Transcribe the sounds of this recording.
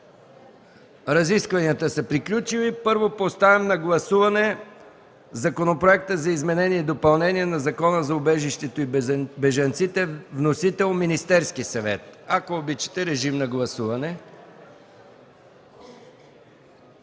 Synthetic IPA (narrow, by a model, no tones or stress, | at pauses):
ɾɐziskvɐnijət̪əsɐpɾiklʲut͡ʃivipɤɾvopost̪avɛmnɐɡlˠɐsuvɐnɛ | zɐkonopɾoɛk̚t̪əzɐizmɛnɛniɛid̪opɐlˠnɛniɛnɐzɐkɔnəzɐʊbɛʒiʃt̪ɛt̪oibɛʒɐnt̪sit̪ɛvnosit̪ɛlˠminist̪ɛɾskisɐvɛ̰t̪̚ɐkoːbit͡ʃɛ̥t̪ɛɾɛʒimnɐɡlˠɐsuvɐnɛ